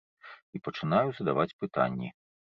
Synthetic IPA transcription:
ipɐt͡ʂɨnajuzɐd̪avat͡sʲpɨt̪a̰nʲːḭ

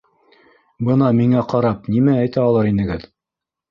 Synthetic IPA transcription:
bɤnɑmiŋæqɑɾɑp̚nimææjt̪æɑlˠɑɾinɘ̆ɡɘð

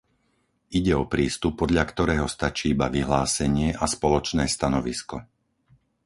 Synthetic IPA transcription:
iɟɛɔpɾiːst̪upːɔd̪ʎakt̪ɔɾɛːɦɔst̪at͡ʃiːibaʋiɦlaːsɛɲɪɛʔaspɔlɔt͡ʃnɛːst̪anɔʋiskɔ

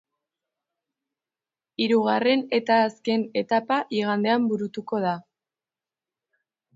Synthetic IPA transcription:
iɾuɣare̞ne̞t̪aːske̞ne̞t̪apaʔiɣ̞and̪e̞ambuɾut̪uko̞ða

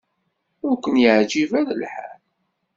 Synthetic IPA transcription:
ʊɾkʷənjəʕd͡ʒivæɾəlħa̰l

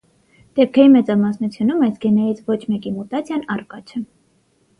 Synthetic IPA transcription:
d̪̥ɛp̚kʰɛjimɛt͡sɑmɑsnut͡sʰjunumɑjsɡɛnɛɾit͡sʰvɔt͡ʃʰmɛkimut̪ɑt͡sʰjɑnɑrkɑt͡ʃʰə

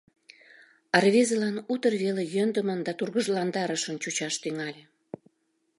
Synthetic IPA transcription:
ɑrvezəlɑnut̪ərβelejønd̪əmənd̪ɑt̪urɣəʒlɑnd̪ɑɾəʃənt͡ɕut͡ɕɑʃt̪yŋɑlʲe

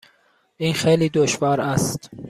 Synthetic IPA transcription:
ʔiːnxejliːd̪oʃvɒːɾæst̪

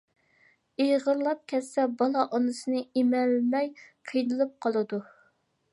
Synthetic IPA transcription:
ejʁəɾlˠɑp̚kʲʰɛsːɛbɑlˠɑʔɑnɨsɨnɨemɛlːmɛjqʰəjnɨlˠɨp̚qʰɑlˠɨd̪u

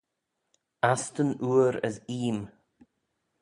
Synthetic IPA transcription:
ast̪ənuːɾə̰siːm

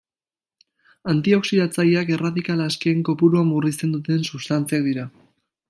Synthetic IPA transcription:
ant̪io̞ksiðat͡saʎiake̞raðikalaske̞ːŋko̞puɾuamurist̪e̞nd̪ut̪e̞nsust̪ant͡siak̚d̪iɾa

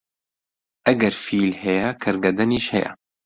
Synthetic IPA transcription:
ʔɐɡɛɾfiːlhɛjɛkʰɨɾɡɐd̪ɛniːʃhɛjɛ̰

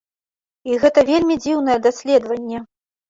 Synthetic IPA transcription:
iɣɛt̪ɐvʲelʲmʲid͡zʲiwn̪ɐjɛd̪asʲlʲɛd̪vɐnʲːɛ

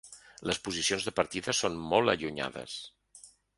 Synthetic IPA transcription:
ləspuzisionzðəpəɾt̪iðəsonmɔlˠəʎuɲa̰ðə̰s

